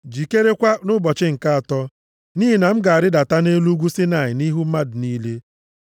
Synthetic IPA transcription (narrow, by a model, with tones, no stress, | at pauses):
d͡ʒi˨ke˦ɾe˦kʷa˦nʊ˦bɔ˨t͡ʃɪ˦ŋ̩˨ka˦a˨tɔ˦ | niː˦i˨na˨m̩˦ɡa˨a˨ɾɪ˦da˨ta˦ne˦lu˦ɡʷu˦sɪ˦na˨ɪ˨ni˦ɦu˦m̩˦ma˦dʊ˨ni˦le˦